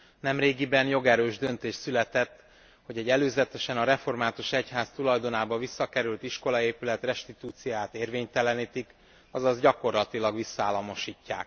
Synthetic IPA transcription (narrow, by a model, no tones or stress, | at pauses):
nɛmreːɡibɛnjo̞ɡɛɾøːʒd̪ø̞nt̪eːʃt̪sylɛt̪ɛt̪ː | ho̞ɟɛɟɛløːzɛt̪ɛʃɛnɒɾɛfo̞rmaːt̪uʃɛchaːst̪ulɒjd̪o̞naːbɒvisːɒkɛɾylt̪iʃko̞lɒeːpylɛt̪rɛʃt̪it̪uːt̪sijaːt̪eːrveːɲt̪ɛlɛniːt̪ik | ɒzɒzɟɒko̞rlɒt̪ilɒɡʋisːɒaːlːɒmo̞ʃiːcːa̰ːk